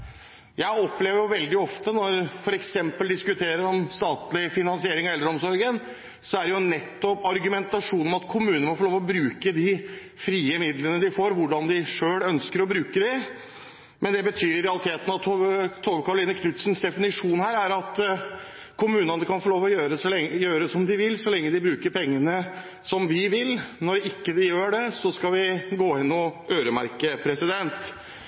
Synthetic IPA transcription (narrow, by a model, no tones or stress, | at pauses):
jæɪɔpleːʋəɾjʊʋɛld̪ɪɔft̪ənɔɾfɔɾɛksɛmpəld̪ɪskʉt̪ʰeːɾəɾɔmst̪ɑːt̪lɪfɪnɑnsɪeːɾɪŋɔɛld̪ɾəɔmsɔɾɡən | sɔæɖɛjʊɛnːɛt̪ːɔpːɑɾɡʉmɛnt̪ɑʂuːnəɔmɑt̪kʰʊmʉːənəmɔfɔɭoːʋɔbɾʉːkəd̪ɪ | fɾiːəmɪd̪lənəd̪ɪfoːɾʋʊɖɑnd̪ɪʂøːɭœnskəɾɔbɾʉːkəd̪ɛ | mɛnd̪ɛbət̪ʰyːɾɪɾɛɑlɪt̪ʰeːt̪ənɑt̪ʰːt̪ʰoːʋəkʰɑɾʊliːnəkʰnʉt̪snsd̪ɛfɪnɪʂuːnhæːɾæɾɑt̪ | kʰʊmʉːnɑnəkʰɑnfɔɭoːʋɔjøːɾəsɔlɛjøːɾəd̪ɛsɔmd̪ɪʋɪlːsɔlɛŋːəd̪ɪbɾʉːkəɾpʰɛŋːənə | sɔmʋɪʋɪlnɔɾɪkːəd̪ɪjøːɖɛsɔskɑʋɪɡoːɪnːɔøːɾəmæ̰ɾkəpʰɾɛsɪd̪ɛnt̪